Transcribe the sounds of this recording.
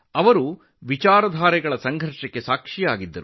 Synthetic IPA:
ɐʋɐɾu | ʋit͡ʃaːɾɐd̪ʱaːɾɛɡɐɭɐsɐŋɡʱɐɾʂɐkːe̞saːkʂijaːɡid̪ːɐɾu

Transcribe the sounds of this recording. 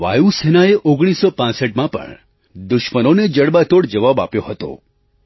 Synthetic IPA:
ʋa̰jusenaeʔoɡɽ̃isopãsəʈmãpə̰ɳ | d̪ʊʃmənoned͡ʒəɽbat̪oɽd͡ʒəʋaba̰pjoɦət̪o̰

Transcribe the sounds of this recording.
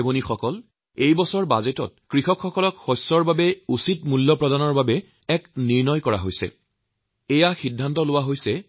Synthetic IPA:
ebɔnixɔkɔl | ejbɔsɔɹbazetɔ̰t̚kɹixɔkʰxɔkɔlɔkxɔjsːɔɹbabɛusitmulːɔpɹɔdanɔɹbabɛ | ɛkniɹnɔjkɔɹa̰ɦojsɛ̰ | ejaxidʱːantɔlʊwaɦojsɛ

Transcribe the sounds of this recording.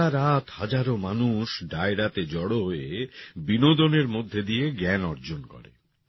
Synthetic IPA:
aɾat̪had͡ʑaɾomanuʃɖaeɽat̪ed͡ʑɔɽoɦoebinod̪oneɾmod̪ʱːed̪ijeɡɛnɔɾd͡ʑonkɔ̰ɾḛ

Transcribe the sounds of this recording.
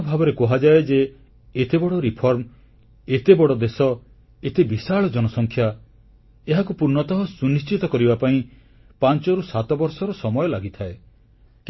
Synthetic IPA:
bʱabɔɾekɔɦad͡ʒaed͡ʒeː | t̪ebɔɽɔɾipʰɔɾm | et̪ebɔɽɔd̪esɔ | et̪ebisaɭɔd͡ʒɔnɔsɔŋkʰja | eɦakupuɾnɔt̪ɔɦɔsunist͡ʃit̪ɔkɔɾibapaĩ | pant͡ʃɔɾusat̪ɔbɔɾsɔɾɔsɔmɔjɔlaɡit̪ʰae | k

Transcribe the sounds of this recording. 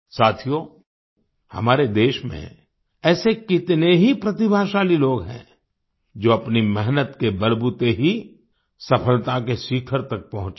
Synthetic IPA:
saːt̪ʰijo | hɐ̰maːɾed̪eːʃmḛ̃ | ɛːsekɪt̪neɦipɾɐt̪ibʱaːʃaːliloːɡɦɛ̰̃ | d͡ʒoːɐpnimɛɦnət̪kebɐlbut̪eɦi | sɐpʰəlt̪akesiːkʰəɾt̪ɐk̚pɐɦʊ̃t͡ʃ

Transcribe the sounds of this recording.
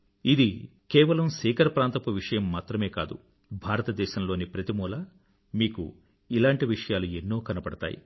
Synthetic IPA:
id̪i | kɛːʋɐlɐmsɛːkɐɾɐpɾaːnt̪ɐpuʋiʂɐjɐmːaːt̪ɾɐme̞ːkaːd̪u | bʱaːɾɐt̪ɐd̪ɛːʃɐmlo̞ːnipɾɐt̪imɔːlɐ | miːkṵ | ilaːɳʈiʋiʂɐjaːluenːo̞ːkɐnɐpɐɽɐt̪a̰ːjḭ

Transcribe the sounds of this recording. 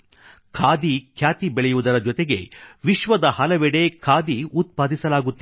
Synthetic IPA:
kʰaːd̪ikʰjaːt̪ibɛɭɛjuʋud̪ɐɾɐd͡ʒɔt̪eɡe̞ʋiʃʋɐd̪ɐhɐlɐʋɛɽe̞kʰaːd̪iut̪̚paːd̪isɐlaːɡut̪ːi

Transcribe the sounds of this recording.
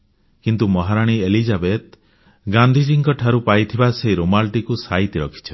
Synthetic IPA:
kint̪umɔɦaɾaɽ̃ielid͡ʒabet̪̚ | ɡãnd̪ʱid͡ʒiŋkɔʈʰaɾupajt̪ʰibasejɾomalʈikusait̪iɾɔkʰi̥t͡ʃʰɔ̥

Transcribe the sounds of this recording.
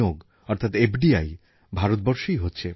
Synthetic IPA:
oɡ | ɔɾt̪ʰat̪epʰɖiaj | bʱaɾot̪̚bɔɾʃojɦotːɕʰe

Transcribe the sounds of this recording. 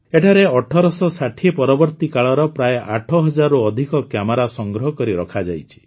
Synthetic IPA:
eʈʰaɾeɔʈʰɔɾɔsɔsaʈʰiepɔɾɔbɔɾt̪ikaɭɔɾɔpɾajʔaʈʰɔɦɔd͡ʒaɾuɔd̪ʱikɔkjamɔɾasɔŋɡɾɔɦɔkɔɾiɾɔkʰad͡ʒajt͡ʃʰi̥

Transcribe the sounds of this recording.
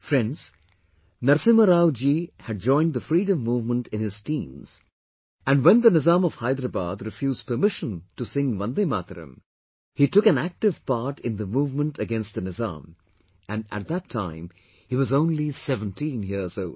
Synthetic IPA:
fɾɛ̃nɖz̥ | nʌɾsĩməɾaʊd͡ʒihɨɖ̚d͡ʒɔ̃ɪ̃nðəfɾiɾə̃mːuːvmə̃ntʰɨ̃nhɪz̥tĩmz̥ | æ̃nwɛ̃nðənɨzãːmɔv̥haɪd̪ɾəba̰d̪ɾɨfjuːz̥pə˞mɪʃə̃ntusɪ̃ŋʋʌ̃nd̪emat̪ɾɨ̰̃m | hitʊkɨ̃næk̚tɨv̥paɹʈɪ̃nðəmuːvmə̃ntʰɨɡɛ̃nst̚ðɨnɨzã̰ːm | ɨ̃næ̰t̪̚ðətʰːãɪ̃m | hiwʌzõʊ̃nlisɛvə̃ntʰĩnjizoʊl

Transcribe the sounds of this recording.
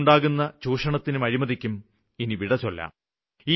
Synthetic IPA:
ɳɖaːɣunːɐt͡ɕuːʂɐɳɐt̪ːinumɐɻimɐðikʲːum | iniʋiɽɐt͡ɕːolːɐ̰ | iː

